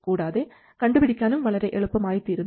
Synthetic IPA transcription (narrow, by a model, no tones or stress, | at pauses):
kuːɽaːðe | kɐɳɖɯpɪɽɪkʲːaːlɯmʋɐɭɐɾɐɪʔɛɭɯpːɐmaːjt̪ːɯɪɾɯn